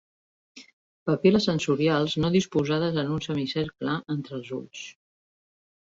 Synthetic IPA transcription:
pəpiləsənsuɾialˠznoðispuzað̞əzənunsəmisɛɾkləənt̪ɾəlˠzṵʎs

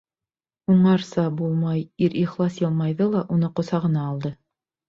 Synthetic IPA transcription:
uɴɑɾsɑbulˠmɑjiɾʔiχlˠɑsjɤlˠmɑjðɤlˠɑʔunɤqŏsɑʁɤ̆nɑːlˠd̪ɤ

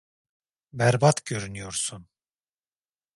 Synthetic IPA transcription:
bæɾbat̪ɟø̞ɾynyjoɾsun

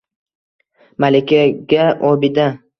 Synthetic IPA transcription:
malɪkʲaɡʲaʔobɪd̪a

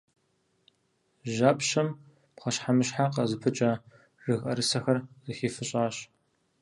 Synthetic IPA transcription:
ʒaːpɕɐm | pχɐɕħamɨɕħaqɐzɨpʰɨt͡ʃʼɐ | rɨɣʼɐɾɨsɐxɐrzɨxiːfɨɕʼaːɕ

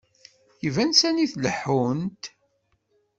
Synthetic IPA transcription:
jivænsæniθləħːunt̪

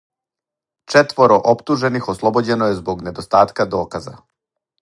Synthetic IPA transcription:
t͡ʃet̪ʋo̞ɾoʔopt̪uʒe̞nixoslˠobod͡ʑe̞nojezbo̞ɡne̞d̪ost̪aːt̪kad̪o̞ːkaza̰

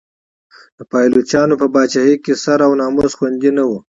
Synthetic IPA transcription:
d̪̥əpɑjlot͡ʃɑnopəbɑt͡ʃaɦekesaɾawnɑːmosxwand̪inawu

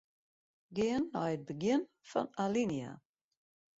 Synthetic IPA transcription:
ɡeəna̰jət̚bəɡɪn | fɔ̰nalinja̰

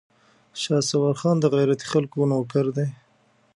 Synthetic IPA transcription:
ʃɑːsawaɾxɑːnd̪əɣajɾat̪i̥xalkonokaɾd̪e

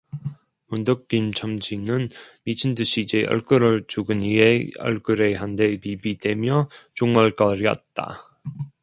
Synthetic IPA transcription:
mundʌk̚k͈imt͡ɕʰʌmd͡ʑinɯnmit͡ɕʰindɯɕʰiːd͡ʑe̞ʔʌ̰ɭk͈ɯɾɯɭt͡ɕuɡɯnieʌ̰ɭk͈ɯɾe̞ɦande̞pibide̞mjʌt͡ɕoŋʌɭk͈ʌɾiʌ̰t̚t͈a̰

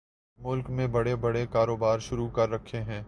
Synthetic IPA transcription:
mʊlkmẽbɐɽebɐɽekaːɾoːbaːɾʃʊɾukɐɾːɐkʰːeɦɛ̃ː

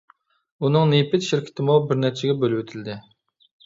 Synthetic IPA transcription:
unɨŋnepɪt̪ʃɪɾkʲʰɪ̥t̪ʰɪmubɪɾnɛɾt͡ʃʰɪɡʲɛbølɪwɪt̪ʰɪld̪ɪ

